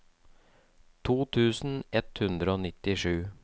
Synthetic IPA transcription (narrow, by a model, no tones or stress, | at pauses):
t̪ʰuːt̪ʰʉːsn̩ɛt̪hʉnd̪ɾəoːnɪt̪ɪʂʉː